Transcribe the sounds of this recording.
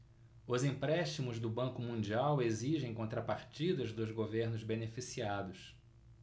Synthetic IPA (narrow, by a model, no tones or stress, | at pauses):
ʊzĩpɾɛʃt͡ʃimʊzd̪ʊbɐ̃ŋkʊmũnd͡ʒiaweziʒẽj̃kõnt̪ɾɐpaɾt͡ʃid̪ɐzd̪ʊzɡoveɾnʊzbenefisiad̪ʊs